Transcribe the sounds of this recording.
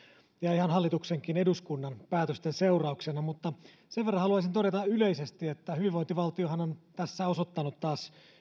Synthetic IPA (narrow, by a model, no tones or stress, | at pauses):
jɑihɑnɦɑlːit̪ukseŋkine̞duskunːɑnpæːt̪øst̪enseurɑuksenɑmut̪ːɑ | seʋerːɑnhɑluɑis̬int̪o̞ɾet̪ɑyleisest̪iet̪ːæhyʋiʋo̞int̪iʋɑlt̪ioɦhɑnont̪æsːæosot̪ːɑnut̪tɑːs